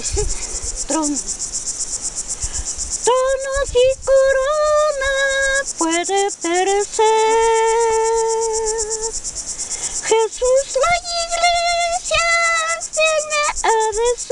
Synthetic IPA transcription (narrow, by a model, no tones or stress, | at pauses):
t̪ɾom | t̪onosikoɾonapweðepeɾese | xesuslaiɣlesjat̪jeneaðes